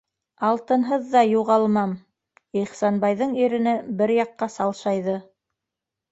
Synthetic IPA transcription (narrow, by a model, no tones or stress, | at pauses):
ɑlˠt̪ɤ̆nɦɤðːɑjuʁɑlˠmɑm | iχsɑnbɑjðɤɴiɾɘ̆nɘbɘɾjɑqːɑsɑlˠʃɑjðɤ